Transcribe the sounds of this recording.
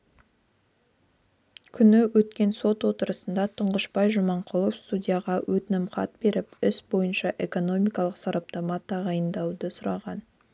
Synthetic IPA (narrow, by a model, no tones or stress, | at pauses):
kʲʰʏnɪwɵt̪kʲe̞nso̞t̪wo̞t̪əɾəsənd̪ɑt̪ʰʊɴʁəʃbɑjʒʊmɑɴqʰʊlˠofst̪udʲijaʁɑwʔɵt̪ɪnɪmqɑ̰t̪̚be̞ɾɪpɪsbo̞jənʃɑʔe̞ko̞no̞mijkɑlˠəqsɑɾɑp̚t̪omɑt̪ːɑʁɑjənd̪ɑwd̪əsʊɾɑʁɑn